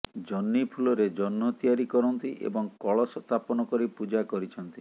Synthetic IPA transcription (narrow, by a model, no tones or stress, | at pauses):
d͡ʒɔnːipʰulɔɾed͡ʒɔnmɔt̪iaɾikɔɾɔnt̪iʔḛbɔŋkɔɭɔsɔt̪apɔnɔkɔɾipud͡ʒakɔɾit͡ʃʰɔnt̪i